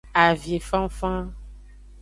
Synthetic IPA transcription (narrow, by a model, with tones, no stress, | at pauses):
a˨vje˨fã˦m˦fã˦